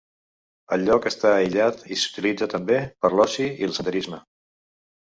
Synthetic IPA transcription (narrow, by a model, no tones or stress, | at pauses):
əʎɔkəst̪aːiʎat̪isu̥t̪ilid͡zət̪əmbepəɾlɔsiilˠsət̪əɾizmə